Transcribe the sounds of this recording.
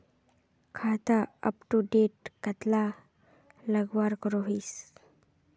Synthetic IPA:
kʰat̪aɐ̰pʈuɖeʈkat̪la | lɐɡwaɾkɔɾɔɦis

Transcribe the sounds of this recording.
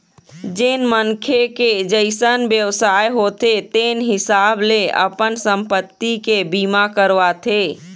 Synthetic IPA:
d͡ʒɪnmənkʰeked͡ʒəɪsənbjəwsaːjɦot̪et̪eːnɦɪsaːbleə̰pənsə̃mpət̪ːikebiːmakəɾʋat̪ʰe

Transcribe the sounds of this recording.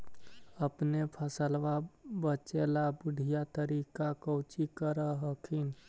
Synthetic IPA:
əpnepʰəsəlʋabət͡ʃelabʊɖʱijat̪əɾikakəʊt͡ʃikəɾəɦəkʰin

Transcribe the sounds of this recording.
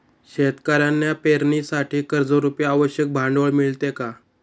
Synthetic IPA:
ɕet̪kaɾjanːjapeɾnisaʈʰiːkəɾd͡zəɾupjaaʋəɕjək̚bʱaɳɖʋəɭmiɭt̪eka

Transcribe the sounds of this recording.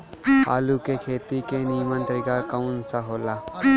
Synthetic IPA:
a̰ːlukekʰeːt̪ikeniːmə̃nt̪ɾɪɡakaʊnsaɦoːlaː

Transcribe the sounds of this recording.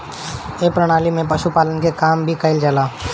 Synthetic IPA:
eːpɾəɽ̃aːlimẽpəʃupaːlənkekaːmbʱikəɪld͡ʒəlaː

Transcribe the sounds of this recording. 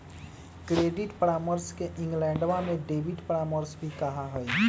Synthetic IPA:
kɾeɖiʈpɾaməɾskeʔĩŋɡlɛ̃ːɳɖʋamẽɖebiʈpɾaməɾsbʱikəɦaɦoj

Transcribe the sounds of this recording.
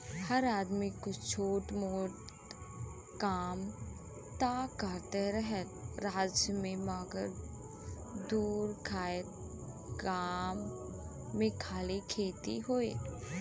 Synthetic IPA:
hɐɾaːd̪mikʊt͡ʃt͡ʃʰoːʈmoːʈ | kaːm | t̪aːkəɾt̪eɾəɦət̪ɾaːd͡ʒjəmẽmaːɡəɾ | d̪uːɾkʰaːət̪ | ɡaːmː | ẽkʰaːlikʰeːt̪ḭɦoːe

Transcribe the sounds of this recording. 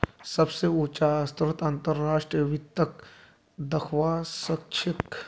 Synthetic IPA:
sɐbseut͡ʃast̪ɾət̪ãnt̪əɾːaːʂʈɾijəʋɪtt̪ːɐk | d̪ɐkʰʋaːsɐkʃʰɪk

